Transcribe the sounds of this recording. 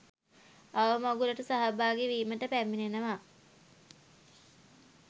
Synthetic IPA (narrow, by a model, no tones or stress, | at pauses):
aʋəmoɡuləʈusaɦabaːɡeʋiːməʈəpæmːinenəʋa